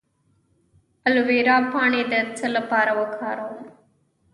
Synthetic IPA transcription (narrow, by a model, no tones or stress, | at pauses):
əlʋeːɾaːpʰaːɳeːd̪ɐt͡sələpaːɾɐʋɐkʰaːɾoː